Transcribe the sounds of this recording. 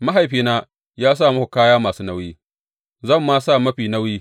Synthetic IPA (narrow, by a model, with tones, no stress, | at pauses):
ma˦ɦa˨jɸiː˨naː˦ | jaː˦s̬aː˦˨mɐ˦ku˨kaː˦jaː˦maː˨suː˦nɐ˦wjiː˦ | zɐ˦˨mːaː˦saː˦˨mɐ˦ɸiː˨nɐ˦wjiː˦